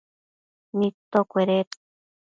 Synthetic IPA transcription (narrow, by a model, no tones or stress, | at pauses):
nit̪okʷeɾet̪